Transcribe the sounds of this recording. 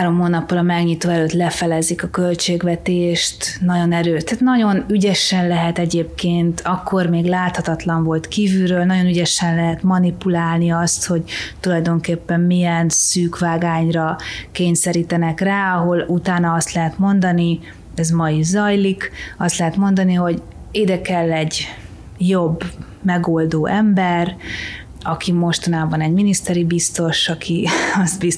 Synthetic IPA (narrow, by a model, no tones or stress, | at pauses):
aːɾo̞mɦoːnɒpːolɒmɛɡɲit̪oːɛløːt̪lɛfɛlɛzikɒkølt͡ʃeːɡʋɛt̪eːʃt̪nɒɟo̞nɛɾøːʃt̪aːt̪nɒɟo̞nyɟɛʃɛnlɛɦɛt̪ɛɟeːpkeːnt̪ʰɒkːo̞rmeːɡlaːt̪hɒt̪ɒt̪lɒɱvo̞lt̪kiːvyɾøːlnɒɟo̞nyɟɛʃɛnlɛɦɛt̪mɒnipulaːlniɒst̪ho̞ɟt̪ulɒjd̪o̞ŋkeːpːɛmmijɛnsyːkʋaːɡaːɲrɒkeːɲsɛɾiːt̪ɛnɛkraːɒɦo̞lut̪aːnɒɒst̪lɛɦɛt̪mo̞nd̪ɒni | ɛzmɒizɒjlikɒst̪lɛɦɛt̪mo̞nd̪ɒniɦo̞ɟ | eːd̪ɛkɛlːɛɟ | jo̞bː | mɛɡo̞ld̪oːʔɛmbɛr | ɒkimo̞ʃt̪ɒnaːbɒnɛɟminist̪ɛɾibist̪o̞ʃɒkʰiɒzbis